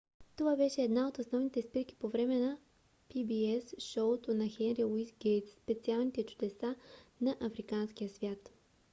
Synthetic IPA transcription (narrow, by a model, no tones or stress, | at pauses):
t̪ovabɛʃɛːd̪naot̪osnɔvnit̪ɛspiɾk̟i̥povɾɛmɛnɐ | pibiɛsʃɔt̪onɐxɛnɾilˠuisɡɛjt̪sːpɛt̪sialˠnit̪ɛt͡ʃu̥d̪ɛsanɐʔɐfɾikansk̟ijəsvʲjat̪